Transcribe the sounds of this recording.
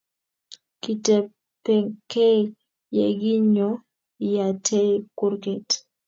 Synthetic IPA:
ki˨tɛ˨ | pɛ˨kɛ˦ | jɛ˨ɡi˦ɲɔ˦ | ja˨tʰɛ˦ku˦ɾkɛ˨t

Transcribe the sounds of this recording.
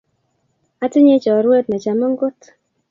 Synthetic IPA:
a˨tɪ˦ɲe˦d͡ʒɔ˨ɾwe˦t̪̚nɛ˨d͡ʒa˨mɔ˦ŋɡʊ˦t

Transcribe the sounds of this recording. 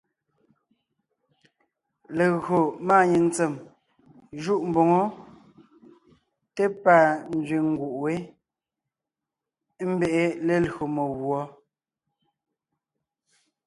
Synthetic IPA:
le˨ɣɰo˨maː˦˨ɲe˨n˦t͡se˨m | ʒu˦˨ʔm̩˨bo˨ŋo˦ | te˦pa˦˨n̩˦d͡zɥi˨ŋ̩˦ɡu˨ʔwe˦ | m̩˦be˦˨ʔe˦le˦lɣo˨mo˨ɣwɔ˦

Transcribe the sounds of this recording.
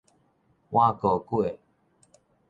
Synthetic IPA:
wʔa˦˨ko˨kwe˥˨

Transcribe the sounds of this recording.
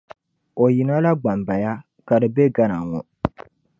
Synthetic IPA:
o˨ji˨na˦la˦ɡ͡ba˨mba˨ja˦ | ka˨dɨ˨be˦ɡa˦na˨ŋɔ˨

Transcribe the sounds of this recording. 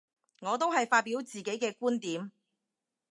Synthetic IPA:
ŋɔː˨˧t̪̬o˥wɦɐ˨jfaː˧t̚piː˨˥wt͡siː˨ke˨˥jkɛː˧kuː˥nt̪iː˨˥m

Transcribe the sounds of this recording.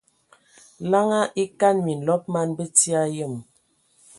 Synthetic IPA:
la˦ŋa˦ʔi˦ka˦˨nmi˨n̩˨lɔ˦p̚ma˦nbə˦ti˦a˦jə˦˨m

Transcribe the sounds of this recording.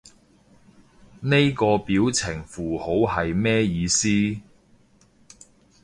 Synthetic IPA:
ne˥jkɔː˧piː˨˥wt͡sʰɪ˨˩ŋfuː˨˩ho˨˥whɐ˨jmɛː˥jiː˨˧siː˥

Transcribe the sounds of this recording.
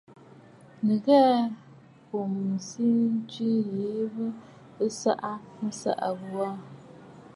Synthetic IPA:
nɨ˨ɣɛː˦ | po˨msi˦n˦ti˦li˨˦βɨ˦ | sa̰˦ʔa˦n̩˦sa̰˦ʔa˨ɣwa˦

